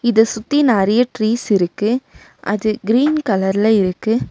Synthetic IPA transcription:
ɪðɐsʊt̪ːinaːɾɪjɐʈɾiːsɪɾɯkːɯ | ʔɐ̰ðɯɡɪɾiːnkɐlɐɾɪlɐɪɾɯkːɯ

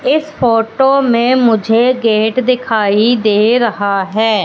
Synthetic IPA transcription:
ɪspʰoːʈoːmẽːmʊd͡ʒʱeːɡeːʈd̪ɪkʰaːiːd̪eːɾəɦaːɦɛː

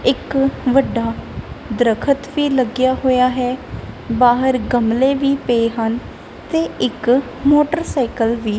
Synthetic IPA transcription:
ɪkʋəɖːaːd̪ɾəkʰət̪ʋiːləɡjaːɦoːjaːɦɛːbaːɦəɾɡəmleːʋiːpeːɦən | t̪eːɪk | moːʈəɾsaːɪkəlʋiː

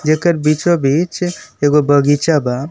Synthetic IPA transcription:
d͡ʒekəɾbit͡ʃobʱit͡ʃeɡobʱəɡit͡ʃaba

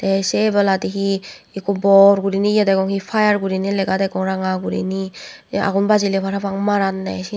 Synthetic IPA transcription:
d̥̪esebaladiɦi | ikɔbɔɾɡuɾinijadaɡɔŋhipʰajaɾɡuɾinilɛɡadaɡɔŋɾaŋaɡuɾḭni | a̰ɡunbazilepʰaɾapʰaŋmaɾanːa̰si

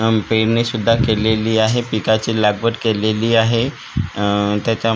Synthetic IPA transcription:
peɾnesud̪ʱːakeleliːaɦepikat͡ɕilaɡbəʈkeleliːaɦe | t̪jat͡ɕja

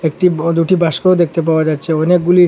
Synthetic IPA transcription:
ek̚ʈid̪uʈibʱaʃkeod̪ek̚ʰt̪ep̬aoad͡ʑatːɕʰeɔnek̚ɡuli

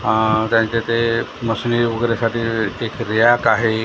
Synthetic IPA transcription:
ɦat̪jãɲt͡ɕat̪eməsniʋəɡɾjasaʈiːekɾijakaɦe

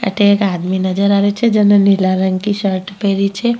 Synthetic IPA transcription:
ə̰ʈekaːd̪minəd͡ʒəɾaɾet͡ʃʰed͡ʒənənilaɾəŋɡkiʃəɾʈpeɾit͡ʃʰe

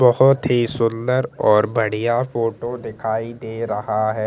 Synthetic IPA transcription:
bɐɦʊt̪ɦisʊld̪əɾɔːɾbɐɽ̤ijafoːʈod̪ɪkʰaːid̪eːɾɐɦaɦɛː

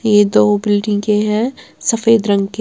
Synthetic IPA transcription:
jed̪oːbɪlʈɪ̃ŋkeɦɛ̃sɐfeːd̪ɾɐ̃ŋɡke

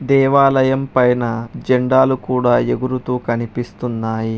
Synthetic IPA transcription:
d̪ɛːʋaːlɐjɐmpɐjnɐd͡ʒɛɳɖaːlukuːɽaːe̞ɡuɾut̪uːkɐnipist̪unːaːji

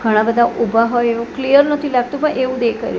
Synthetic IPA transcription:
ɡʱəɽ̃ãbəd̪ʱaʔubʱaɦojeũklijəɾnət̪ʰilaɡt̪opəɳʔeũd̪ekə̰ɾjo

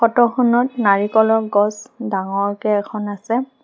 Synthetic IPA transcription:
xɔtɔxunɔtnaɹikɔlɔkɡɔsdaŋɔɹkɛɛkʰɔnasɛ

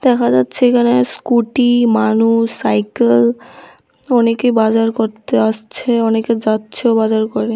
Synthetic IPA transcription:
d̪̥ɛkʰad͡ʑatːɕʰeekʰanaskuʈimanusːajkel | ɔnekebad͡ʑaɾkoɾt̪eaʃt͡ɕʰeɔneked͡ʑatːʃʰobad͡ʑaɾkɔɾe

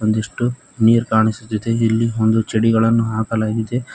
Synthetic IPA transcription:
ond̪eʂʈu | niːɾkaːɳisut̪ːid̪e̞ilːiond̪ut͡ʃeɽiɡɐɭɐnːuɦaːkɐlaːɡid̪e̞

